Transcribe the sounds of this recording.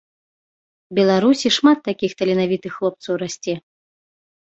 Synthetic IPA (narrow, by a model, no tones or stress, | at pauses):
bʲɛlˠaɾusʲiʂmat̪ːakʲixt̪ɐlʲinavʲit̪ɨxːlˠɔp̚t̪sɐwɾasʲt͡sʲɛ